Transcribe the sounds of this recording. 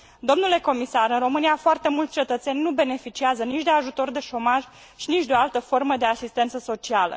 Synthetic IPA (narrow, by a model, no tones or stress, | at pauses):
d̪o̞mnule̞ko̞misaɾɨnro̞mɨnijafoart̪e̞mult̪sʲt͡ʃe̞t̪ət̪se̞nʲnube̞ne̞fit͡ʃiazənit͡ʃʲd̪e̞aʒut̪o̞rd̪e̞ʃo̞maʒ | ʃinit͡ʃd̪eo̞alt̪əfo̞rməd̪e̞asist̪e̞nt̪səso̞t͡ʃialə̰